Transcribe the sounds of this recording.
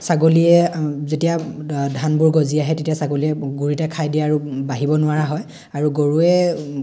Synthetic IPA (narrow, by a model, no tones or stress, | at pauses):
saɡoliɛzetijadʱanbuɹɡoziaɦɛtetiasaɡoliɛɡuɹitakʰajdijaːɹubaɦibɔnʊwaɹaɦɔj | aɹuɡoɹuɛ